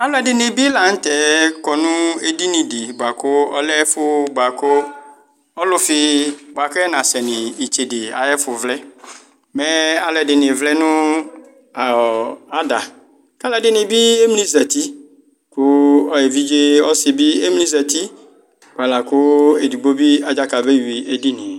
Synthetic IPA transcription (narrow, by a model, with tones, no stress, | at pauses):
a˨˦lʊ˦ɛ˨dɪ˨nɪ˨bi˦la˨n̩˦tɛ˨˦kɔ˨nʊ̃˦e˦di˦nĩ˨dɪ˨ba˨kʊ˦ɔ˦lɛ˦fʊ˦ba˨kʊ˦ | ɔ˦lʊ˦fɪ˦ba˨kɛ˦nã˨sɛ˨nɪ̃˨i˨t͡ʃe˨dɪ˨a̰˨jɛ˦fʊ˨vlɛ˦ | mɛ˦a˨lʊ˨ɛ˨dɪ˨nɪ˨vlɛ˦nʊ̃˦ | a˨a˦da˨ | ka˦lɛ˨dɪ˦nɪ̃˨bi˦e˦m˦li˦za˨t̪i˦ | kʊ˦ɔ˨je˨vi˦d͡ʒe˦ɔ˦sɪ˨bi˦e˦m˦lĩ˦za˨t̪i˦ | ka˨la˨kʊ˦e˨du˨ɡ͡bo˦bi˦a˨d͡ʒa˦ka˨be˦˨wi˨e˨di˦nĩ˨